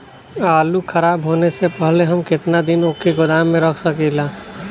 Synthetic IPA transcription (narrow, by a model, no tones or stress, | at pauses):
aːlukʰɐɾaːbɦoːnesepəɦleɦɐmkɪt̪nad̪ɪnokeɡʊd̪aːmːẽɾəkʰsəkilaː